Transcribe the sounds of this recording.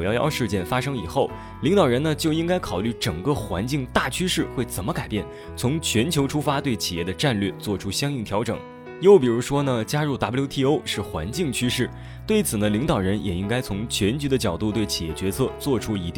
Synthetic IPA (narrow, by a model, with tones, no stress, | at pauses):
jɑ˥˧ʊjɑ̰˥˧ʊʂɻ̩˥˧t͡ɕjɛ˥˩nfa˥ʂɤ˥ŋi˨˩xo˥˩ʊ | li˧˥ŋt̪ɑ˨˩ʊɻə˧˥nnə˧t͡ɕjo˥˧ʊi˥ŋka˥ɪkʰɑ˨˩ʊly˥˩ʈ͡ʂɤ˨˩ŋkɤ˥˧xwa̰˧˥nt͡ɕi˥˧ŋt̪a˥˩t͡ɕʰy˥ʂɻ̩˥˩xwe˥˩ɪt͡sə˨˩nmə˦ka˨˩ɪpjɛ˥˩n | t͡sʰʊ˧˥ŋt͡ɕʰɥɛ˧˥nt͡ɕʰjo˧˥ʊʈ͡ʂʰu˥fa˥t̪we˥˩ɪt͡ɕʰi˨˩jɛ˥˩d̪ə˧ʈ͡ʂa˥˧nlɥɛ˥˧˩t͡swɔ˥˩ʈ͡ʂʰu˥ɕjɑ˥ŋi˥˩ŋt̪ʰjɑ˧˥ʊʈ͡ʂɤ̰˨˩˦ŋ | jo˧ʊpi˨˩ɻu˧˥ʂwɔ˥nə˨t͡ɕja˥ɻu˥˩t̪a˧˥pu˧˥jʊt̪ʰi˥˩o˥ʊʂɻ̩˥˩xwa̰˧˥nt͡ɕi˥˩ŋt͡ɕʰy˥ʂɻ̩˥˩ | t̪we˥˩ɪt͡sʰɹ̩˨˩nə˦li˧˥ŋt̪ɑ˨˩ʊɻə˧˥njʔɛ˨˩i˥ŋka˥ɪt͡sʰʊ˧˥ŋt͡ɕʰɥɛ˧˥nt͡ɕy˧˥d̪ə˧t͡ɕjɑ˨˩ʊt̪u˥˧t̪we˥˩ɪt͡ɕʰi˨˩jɛ̰˥˩t͡ɕɥɛ˧˥t͡sʰɤ˥˧t͡swɔ˥˩ʈ͡ʂʰu˥i˧˥t̪i˥˩